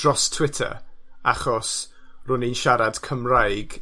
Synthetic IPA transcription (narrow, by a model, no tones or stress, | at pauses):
rɔstʰwɪtʰə̰aχɔs | rʊninʃaɾad̥kʰəmrajɡ